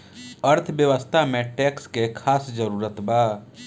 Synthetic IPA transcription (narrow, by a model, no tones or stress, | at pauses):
əɾt̪ʰbjəʋəst̪ʰamẽʈeːkskekʰaːsd͡ʒəɾuːɾət̪baː